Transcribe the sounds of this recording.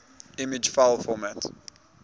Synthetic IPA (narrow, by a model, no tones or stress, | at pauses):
ɪmɪd͡ʒfaɪlfɔmæt